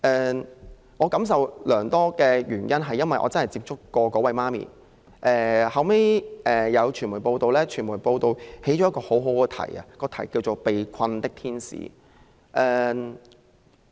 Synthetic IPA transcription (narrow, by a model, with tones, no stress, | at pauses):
ʔɛː˨ | ŋɔː˨˧kɐ˨˥ms̬ɐ˨wlœː˨˩ŋt̪ɔː˥kɛː˧jyː˨˩njɐ˥nɦɐ˨jːɐ˥nwɐ˨jʔɔ̰ː˨˧t͡sɐ˥nhɐ˨jt͡siː˧p̚t͡ʃʰʊ˥kːɔː˧kɔː˨˥wɐ˨˧jmaː˥mḭː˨ | ʔɛː˨˩hɐ˨wme˥jʔɛː˨jɐ˨˧wt͡ʃʰyː˨˩muː˨˩jpo˧wt̪o˨˧wlɛː˥t͡ʃʰyː˨˩nmuː˨˩jpo˧wt̪o˨whe˨˥jt͡ʃɔː˨˥ɐ˥kɔː˧ho˨˥wɦo˨˥wkɛː˧t̪ʰɐ̰˨˩jɐ̰˨kɔː˧t̪ʰɐ˨˩jkiː˧wt͡ʃo˨wpe˨jkʰɐ˧nt̪ɪ˥k̚t̪ʰiː˥nsḭː˨˧˥ | ʔɛː˧